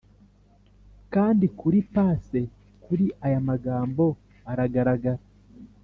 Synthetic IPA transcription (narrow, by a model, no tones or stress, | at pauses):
kaːndikuɾipaːse̞ | kuɾiʔajamaɡaːmbo̞ | aɾaɡaɾaɡaɾa